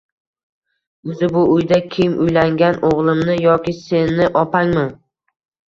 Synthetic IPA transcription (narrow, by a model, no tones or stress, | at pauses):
ʊzɪbʊʊjd̪akʲʰejmʔʊjlaŋɡʲanʔoʁlˠɪmnɪjɒkʲɪse̞nːɪʔɒpaŋmɪ